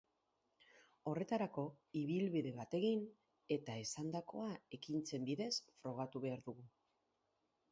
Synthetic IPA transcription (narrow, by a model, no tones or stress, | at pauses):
o̞re̞t̪aɾako̞iβ̞ilβiðe̞βat̪e̞ɣin | e̞t̪ae̞sand̪ako̞ae̞kint͡se̞mbiðe̞sfɾo̞ɣ̞at̪uβe̞aɾðuɣ̞u